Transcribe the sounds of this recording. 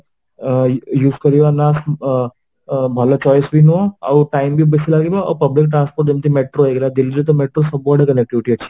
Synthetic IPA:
juːskəɾiʋanas | bʱalət͡ɕɔjsbinuʋaa̰wʈaimbibəsilaɡiʋapəblik̚ʈɾanspoɾʈ̚d͡ʑemt̪imeʈɾoeɡlad̪ild͡zet̪əmeʈɾosəbɔɾɖəkənek̚ʈiʋiʈiət͡ɕʰːi̥

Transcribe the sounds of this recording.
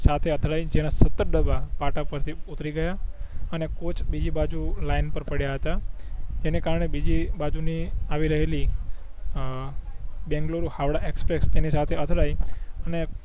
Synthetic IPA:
sat̪ʰeət̪ʰɭajd͡ʒenasət̪ːəɾɖəbʱapaʈapəɾt̪ʰiut̪ɾiɡəjaənekot͡ʃʰbid͡ʒibad͡ʒulainpəɾpəɽjaɦət̪ad͡ʒenekaɾəɳebid͡ʒibad͡ʒuniaʋiɾəɦeli | bɛ̃ŋɡloɾuhaʋɽaʔekspɾekst̪enisat̪ʰeət̪ʰɭajəne

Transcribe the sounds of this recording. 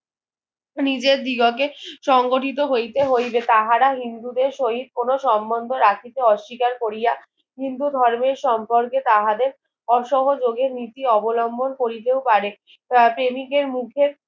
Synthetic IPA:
nid͡ʑeɾd̪iɡok̬eʃɔŋɡoʈʰit̪oɦojt̪eɦojbet̪aɦaɾaɦind̪ud̪eɾʃoɦit̪̚konoʃɔmbond̪ʱoɾakʰit̪eɔʃːikaɾkoɾija | ɦind̪ud̪ʱɔɾmeɾʃɔmpoɾket̪aɦad̪eɾ | ɔʃɔɦod͡ʑoɡeɾnit̪iɔbolɔmbonkoɾit̪ewpaɾe | pɾemikeɾmukʰeɾ

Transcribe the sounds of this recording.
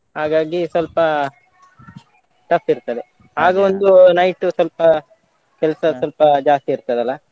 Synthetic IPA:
ɦaːɡaːɡisʋɐlpɐ | ʈɐfiɾt̪ɐd̪e | ɦaːɡɐond̪unɐjʈːusɐlpɐ | kɛlɐsɐsʋɐlpɐd͡ʒaːst̪iːɾt̪ɐd̪ɛɐlːɐ

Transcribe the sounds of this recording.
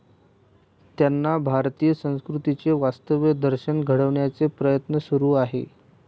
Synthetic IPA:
t̪janːabʱaɾt̪ijəsə̃w̃skɾut̪it͡seʋast̪əʋjəd̪əɾɕənɡʱəɽəʋɳjat͡sepɾəjət̪nəsuɾuːaɦḛ

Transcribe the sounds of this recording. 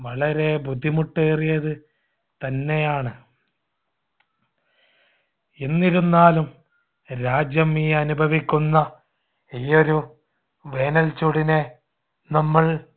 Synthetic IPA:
ʋɐɭɐɾe̞bʱud̪ʱːimuʈːeːrijɐðɨ | t̪ɐnːe̞jaːɳɨ | enːiɾunːaːlum | ɾaːd͡ʑjɐmiːɐnubʱɐʋikʲːunːɐ | iːo̞ɾu | ʋe̞ːnɐlt͡ɕuɽine̞ | nɐmːɐɭ

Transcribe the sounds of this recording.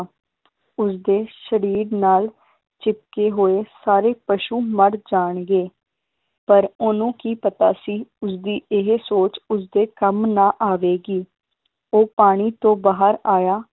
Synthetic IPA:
ʊsd̪eːʃəɾiːɾnaːl | t͡ʃɪp̚keːɦoːeːsaːɾeːpəʃuːməɾd͡ʒaːɳɡeː | pəɾʊnũːkiːpət̪aːsiːʊsd̪iːʔɪɦsoːt͡ʃʊs̬d̪eːkəmnaːʔaːʋeːɡiː | oːpaːɽ̃iːt̪õːbaːɦəɾaːjaː

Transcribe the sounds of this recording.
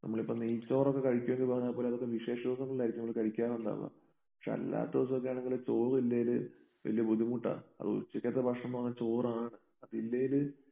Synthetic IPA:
nɐ̰mːɐɭipːoniːt͡ɕːo̞ːrokːe̞kɐɻikʲːumeŋɡiɨpaɣɐɲːaːpoːleɐðokːeʋiʂe̞ːʂɐoːsɐŋːɐɭuɭːaːjɾikːɨnmːɭkɐɻikʲːaːɣund̪a̰ːʋa̰ | pɐ̥kʂḛɐ̰lːa̰ːt̪ːoːsokːejaːɳeŋɡilet͡ɕoːrilːejilɨ | ʋɐ̰lijɐbud̪imuʈːa̰ɐ̰ðɨṵt͡ɕːikʲːɐt̪ːɐbʱɐkʂɳɐmnuʋɐŋɲːat͡ɕo̞ːraːɳɨ | ɐðilːejilɨ

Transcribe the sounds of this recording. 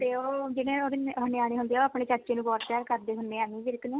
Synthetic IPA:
t̪eːoːd͡ʒɪɽẽːoːd̪ɪnɦʊneaːñeːɦʊ̃nd̪eːoapɳeːt͡ʃəɾt͡ʃeːnũːbɔːʈ̪paːɾkəɾd̪eːɦʊneːaːniːd͡ʒɪɾɪkːneː

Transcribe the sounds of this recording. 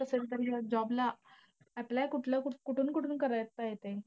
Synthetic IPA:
əselt̪əɾd͡ʑad͡ʑɔbla | ɛplakuʈʰlakukuʈʰuːnkuʈʰuːnkəɾajət̪ːajet̪e

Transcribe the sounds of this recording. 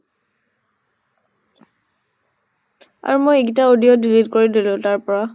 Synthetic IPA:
a̰ɹumojeɡitaodijɔdilitkoɹidilʊ̃taɹpɔɹa

